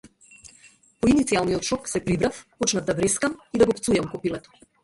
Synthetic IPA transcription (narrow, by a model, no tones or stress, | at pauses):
pɔinit̪sialˠnijɔt̪ʃɔksɛpɾibɾafpɔt͡ʃnavd̪abɾɛskamid̪aɡɔpt̪sujamkɔpilɛt̪ɔ̥